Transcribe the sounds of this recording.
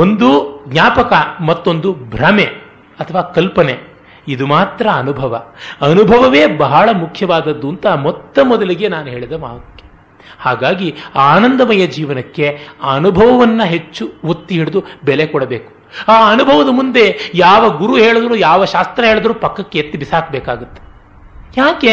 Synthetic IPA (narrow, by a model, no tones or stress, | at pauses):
ond̪uɡɲʲaːpɐkɐmɐt̪ːo̞nd̪ubʱɾɐme̞ | ɐt̪ʰɐʋaːkɐlpɐne | id̪umaːt̪ɾɐɐnubʱɐʋɐɐnubʱɐʋɐʋe̞ːbɐɦɐɭɐmukʰjɐʋaːd̪ɐd̪ːunt̪ɐmɔt̪ːɐmɔd̪ɐliɡe̞naːnuɦe̞ːɭid̪ɐmaːʋɐkːe̥ | haːɡaːɡiaːnɐnd̪ɐmɐjɐd͡ʒiːʋɐnɐkːe̞ɐnubʱɐʋɐʋɐnːɐɦet͡ʃːuot̪ːiɦiɽud̪ubɛlekɔɽɐbeːku̥ | aːɐnubʱɐʋɐd̪ɐmund̪e̞jaːʋɐɡuɾuɦeːɭɐd̪ɐɾuːjaːʋɐʃaːst̪ɾɐɦeːɭɐd̪ɐɾuːpɐkːɐkːeet̪ːibisaːkbɛːkaːɡut̪ːe̥ | jaːke